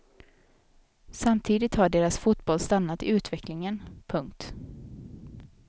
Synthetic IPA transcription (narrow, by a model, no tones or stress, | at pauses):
samt̪ʰiːd̪ɪt̪haɖeːɾasfʊt̪bɔlst̪anːat̪ɪʉ̟ːt̪vɛklɪŋənpʰɵŋkt̪